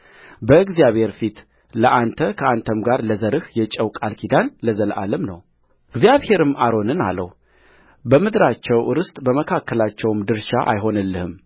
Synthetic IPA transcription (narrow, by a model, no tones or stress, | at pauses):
bəɨɡzjaβhe̞ɾfit̪ | ləʔant̪ʰəkʰəʔant̪ʰəmɡaɾləzəɾɨhjɛt͡ʃʼəwkʼalkʰid̪anləzəlʔa̰ləmnə̰w | ɨɡzjaβhe̞ɾɨmʔaɾo̞nɨna̰lə̰w | bəmɨd̪ɾat͡ʃːɛwɨɾɨst̪ʼbəməkʰakʰːəlat͡ʃːɛwmd̪ɨɾʃaʔa̰jɦo̞nɨlːɨhɨm